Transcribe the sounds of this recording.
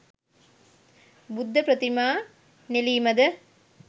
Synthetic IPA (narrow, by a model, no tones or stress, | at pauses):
bʊd̪ʱːɐpɾɐt̪imaː | neliːmɐd̪ɐ